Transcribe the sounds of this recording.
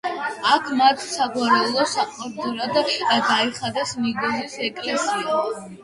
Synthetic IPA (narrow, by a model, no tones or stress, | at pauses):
akʰmat̪ʰsaɡwaɾɛulˠɔsaqʼwaɾd̪ɔɾad̪aɡaiχad̪ɛsniɡɔzisɛkʼlɛsia